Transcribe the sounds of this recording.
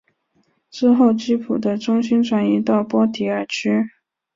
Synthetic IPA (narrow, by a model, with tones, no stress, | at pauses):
ʈ͡ʂɻ̩˥xo˥˩ʊt͡ɕi˥pʰu˨˩d̪ə˦ʈ͡ʂʊ˥ŋɕi˥nʈ͡ʂʰwa˧˥ni˧˥t̪ɑ˥˩ʊpwɔ˥t̪ʰi˧˥ə˞˨˩t͡ɕʰy˥